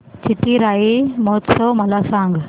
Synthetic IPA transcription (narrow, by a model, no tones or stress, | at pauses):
t͡ʃɪʈːiɾaːimoːt̪soːmɐlaːsãːŋɡ